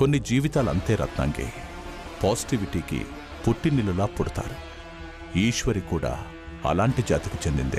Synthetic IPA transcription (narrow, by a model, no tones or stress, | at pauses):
konːid͡ʒiːʋit̪aːlɐ̰nt̪e̞ːɾɐ̰t̪na̰ːŋkḛː | paːsi̥ʈiʋiʈiːkḭ | puʈːinːilulaːpoɽut̪a̰ːɾu | iːʃʋɐɾikuːɽa̰ː | ɐ̰laːɳʈid͡ʒa̰ːt̪ikut͡ʃend̪ḭnd̪ḭ